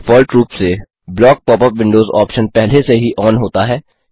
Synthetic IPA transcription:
fɔːlʈɾuːpse | blɔːk̚pɔːpəpʋɪ̃ɳɖoːzɔ̰ːpʃənpɛɦleseɦiʔɔːnɦoːt̪aɦɛː

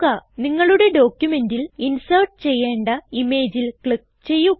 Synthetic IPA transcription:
ɐniŋːɐɭuɽe̞ɖo̞ːkjume̞ndilinsɐrʈ̚ɨt͡ɕe̞jːe̞ːɳɖɐime̞ːd͡ʑilkɭik̚ | t͡ɕe̞jːu

